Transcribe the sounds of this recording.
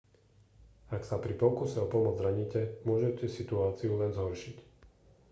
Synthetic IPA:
aksapɾipɔkusɛɔpɔmʊɔd͡zɾaɲicɛmʊɔʒɛcɛsit̪uaːt͡siulɛnzɦɔɾʃic

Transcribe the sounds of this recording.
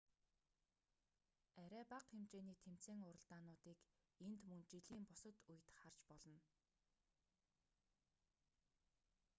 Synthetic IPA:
æɾʲæːpaqχemt͡ɕeːniːt̪ʰem̥t͡seːŋʊɾə̆ɮt̪aːnʊːt̪iːk | ent̪mɵnt͡ɕiɮiːmpʊsə̆t̪uj̆t̪χar̥t͡ɕpɔɮɞ̆n

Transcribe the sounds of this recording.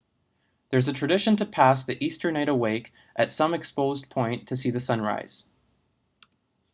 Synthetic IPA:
ðə˞zɨtʰɹ̥ɨdɪʃɨ̃ntʰɨpʰæsðiʔistə˞naɪɾəweɪk | ʔɨtsʌ̃mɨkspoʊzpʰɔ̃ɪ̃ntʰɨsiðɨsʌ̃nɹa̰ɪz̥

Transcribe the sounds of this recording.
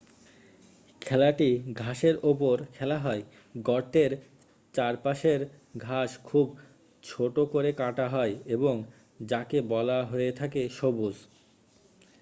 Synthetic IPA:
kʰɛlaʈiɡʱaʃeɾopoɾkʰɛlaɦɔe | ɡɔɾʈeɾ | t͡ɕaɾpaʃeɾ | ɡʱaʃkʰub | t͡ɕʰoʈokoɾekaʈaɦɔeeboŋ | d͡ʑakebɔlaɦojet̪ʰakeʃobud͡ʑ

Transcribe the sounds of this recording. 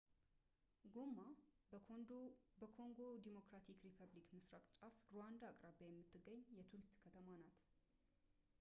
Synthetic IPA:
ɡomːa | bəkʰo̞ŋɡo̞d̪imo̞kɾat̪ʰikɾipʰəβlikmɨsɾakʼt͡ʃʼafɾowand̪aːkʼɾabajɛmːɨt̪ʰːɨɡːəɲːjɛt̪ʰuɾɨst̪kʰət̪ʰəmanat̪

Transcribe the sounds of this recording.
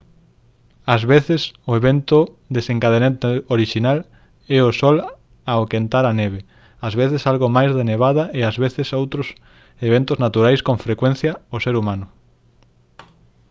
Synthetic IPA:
ɐzβeθɪsʊeβent̪ʊ | d̪eseŋkaðenet̪eoɾiʃinal | ɛosɔl | aokent̪aɾaneβ̞e | azβeθesalɣomajzðeneβ̞aðɐeazβeθɪsowt̪ɾʊs | eβent̪ʊznat̪uɾajskõɱfɾekwẽn̟θjɐʊseɾumãnʊ

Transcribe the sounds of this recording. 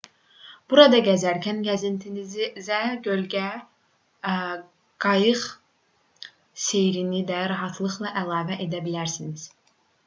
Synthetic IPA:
b̥uɾɑd̪ɑɟæzæɾcʰænɟæzint̪ʰinizizæɟølɟæ | ɡ̥ɑjɯχ | se̞jɾinid̪æɾɑɦɑt̪ʰlˠɯχlˠɑʔælˠɑːvæʔe̞d̪æbilæɾsiniz̥

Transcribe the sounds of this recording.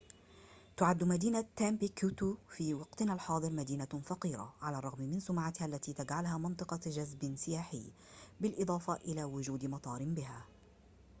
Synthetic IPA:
t̪ʊʕad̪ːmad̪iːnat̪ːaːmpɪkuːt̪ufiːwɑqt̪ɪnalħɑːd̪ˤɨɾmad̪iːnafɑqiːɾa̰ʕalaːrˤɑɣmmɪnsʊmʕat̪ɪhaʔlːat̪iːt̪ad͡ʒʕalhaːmɪnt̪ˤɨqɑd͡ʒazbsɪjaːħɪjː | bɪlʔɨd̪ˤɑːfaʔɪlaːwʊd͡ʒuːd̪mɑt̪ˤɑːɾɪmbɪɦaː

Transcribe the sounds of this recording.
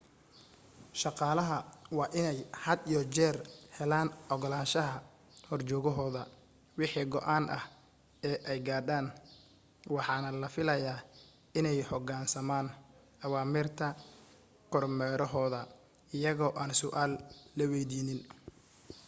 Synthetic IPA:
ʃɑqɑːlɐɦɐwɑːʔɪnɛjhɐd̪ijɔt͡ʃɛːrhɛlaːnɔɣɔlaːʃɐɦɐ | hɔrt͡ʃɔːɣɔɦɔːðɐ | wɪħiːɡɔʔaːnʔɐ̰h | ɛːʔɛjɡaːd̪aːn | wɑħɑːnɐlɐfɪlɐjaː | ɪnɛjħɔɡaːnsɐmaːn | ʔɐwaːmɪːrt̪ʰɐ | kʰɔrmɛːɾɔɦɔːðɐ | ɪjɐɣɔːʔaːnsʊʔaːlːɐwɛjd̪iːnɪn

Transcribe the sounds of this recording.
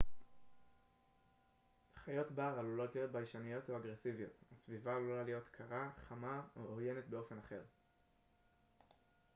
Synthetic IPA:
χajo̞tbaʁalulo̞tlijo̞tbajʃanijo̞toaɡʁesivijo̞̰tasvivalulalijo̞tkʰaʁaχamaooje̞ne̞tbe̞o̞fe̞naχe̞ʁ

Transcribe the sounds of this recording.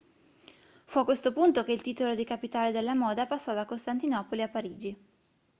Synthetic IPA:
fuakːwest̪opunt̪ok̟eilt̪iːt̪olod̪ikapit̪aːled̪elːamɔːd̪apasːɔd̪akost̪ant̪inɔpoliapːaɾiːd͡ʒi

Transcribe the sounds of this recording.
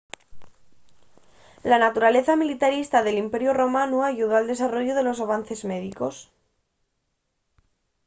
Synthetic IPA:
lanat̪uɾale̞θamilit̪aɾist̪aðe̞limpe̞ɾjoro̞mãnuaʝuð̞oald̪e̞saro̞ʝoðe̞losaβ̞anθe̞zme̞ðiko̞s

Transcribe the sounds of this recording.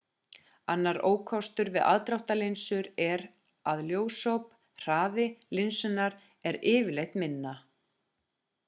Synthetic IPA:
anːaɾoːwkʰvawst̪ʏɾvɪðʔa̰ðt̪ɾawht̪alejnsʏɾɛɾ | aðljoːwsowp | r̥aːðɪlɪnsʏnaɾ̥ | ɛɾɪːvɪlejht̪mɪnːa

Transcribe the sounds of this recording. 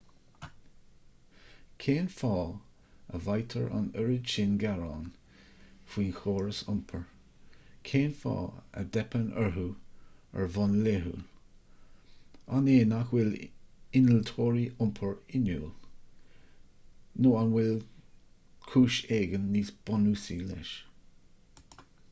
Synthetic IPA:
kʰeːnfɑː | ə̰vajt̪ʰəɹa̰nəɹət͡ʃɪnɡaɹɑːn | fwiːnxoːɹəsʊmpʰəɹ | kʰeːnfɑ̰ːə̰dɛpənʔə̰ɹɦuə̰ɹvɔnleɦṵl | aneːnaxwɪlɪnəlt̪ʰoːɹiʊmpʰəɹɪnuːl | noːanwɪl | kʰuːʃeːɡənːiːsb̥ɔnuːsilɪ̰ʃ

